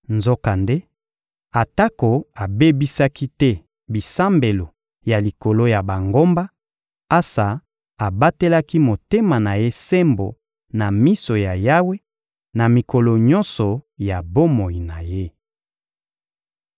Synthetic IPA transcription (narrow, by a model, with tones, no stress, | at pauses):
nzo˦ka˨nde˦ | a˨ta˦ko˨a˨be˦bi˦sa˦ki˦tɛ˦ | bi˨sa˦mbe˨lo˨ | ja˨li˨ko˨lo˦ja˨ba˨ŋɡo˦mba˦ | a˦sa˨ | a˨ba˦te˦la˦ki˦mo˨te˦ma˨na˨je˦se˦mbo̰˨ | na˨mi˦so˨ja˨ja˦we˦ | na˨mi˨ko˨lo˨ɲɔ˦nsɔ˨ja˨bo˦mo˨i˨na˨je˦